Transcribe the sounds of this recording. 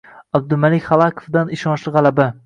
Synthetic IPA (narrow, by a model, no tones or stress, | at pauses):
ab̚d̪ɪmalɪkʲχɑlˠakʰo̥fd̪anɪʃɒnʃlˠɪʁalaba